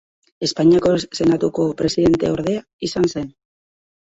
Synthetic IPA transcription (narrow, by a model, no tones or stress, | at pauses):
e̞spaɲiako̞se̞nat̪uko̞pɾe̞siðe̞nt̪e̞o̞ɾð̞e̞a | isanse̞n